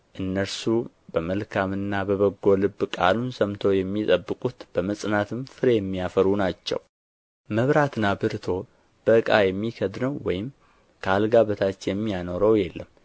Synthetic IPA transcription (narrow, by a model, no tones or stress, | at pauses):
ʔɨnːəɾsu | bəməlkʰamɨnːabəβəɡːolɨbːkʼa̰lunsəmt̪ʰo̞jɛmːit̪ʼəbːɨkʼut̪b̥əməsʼnat̪ʰɨmfɨɾejɛmːijafəɾunat͡ʃːɛ̰w | məβɾat̪ɨnabɨɾt̪ʰo̞ | b̥əkʼajɛmːikʰəd̪nəwːɔjɪm | kʰəalɡaβət̪ʰat͡ʃjɛmːijano̞ɾəwjɛlːəmː